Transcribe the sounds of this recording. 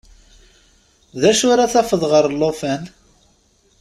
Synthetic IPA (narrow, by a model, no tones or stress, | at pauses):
ðæʃʊɾaθæfəðˤʁəɾˤlːofæn